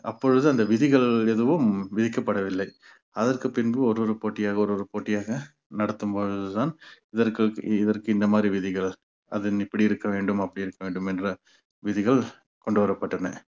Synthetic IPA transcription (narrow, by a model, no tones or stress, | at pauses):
ɐ̰pːɔɻɯðɯɐnd̪ɐʋɪðɪɣɐɭɛðɯʋɯmʋɪðɪkːɐpːɐɽɐʋɪlːɐɪ | ɐðɐrkɯpɪnbɯɔɾoɾɯpoːʈːɪjaːɣɐɔɾoːɾɯpoːʈːɪjaːɣɐ | nɐɽɐt̪ːɯmpoːɻɯðɯt̪aːnɪðɐɾkɐɭkɪðɐrkɯɪnd̪ɐmaːd̪ɾiʋɪðɪɣɐɭ | ɐ̰ðɯnɪpːɐɽiɪɾɯkːɐʋeːɳɖɯmɐpːɐɽiɪɾɯkːɐʋeːɳɖɯmɛndrɐ | ʋɪðɪɣɐɭ | kɔɳɖɯʋɐɾɐpːɐʈːɐnɐ̰